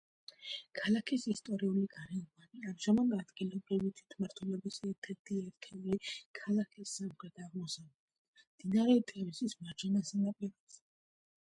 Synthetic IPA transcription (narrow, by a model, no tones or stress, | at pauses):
kʰalakʰisist̪ʼɔɾiuliɡaɾɛvaniamʒ̥amad̪ad̪ɡilɔbɾivit̪ʰwi̥t̪ʰmaɾt̪ʰwɛlɔbisɛɾt̪ʰɛɾt̪ʰiɛɾt̪ʰɛulikʰalakʰisːamχɾɛt̪ʰaʁmɔsavɛd̪md̪̥inaɾɛt̪ʼɛvisismaɾd͡ʒʰɛnasanapʼiɾɔz̥ɛ